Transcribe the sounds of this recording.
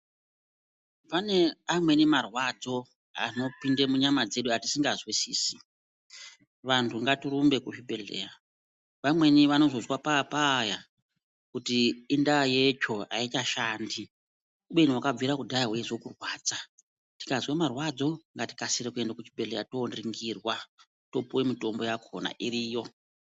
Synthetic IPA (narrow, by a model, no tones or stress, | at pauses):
pane̞amwe̞nemarwad͡zo̞ | a̰no̞pindemuɲamad͡ze̞ɗuati̥siŋɡazwisiːsi̥ | ʋantʰuŋɡatiɾumbe̞kut͡ʃibʱe̞ɮe̞̰ːja | ʋamwe̞niʋano̞zo̞zwapapaːja | kutiːndajet͡ʃo̞a̰itaʃaːndi | uɓeniwakab͡viɾakudʱajaɦweeʐokurwaːd͡za | ti̥kazwemarwad͡zo̞ŋɡati̥kasiɾekue̞ndakut͡ʃibʱe̞ɮe̞jatoːnriŋɡirwa | to̞puwemito̞mbo̞jakʰo̰na̰ʔiriːjo̞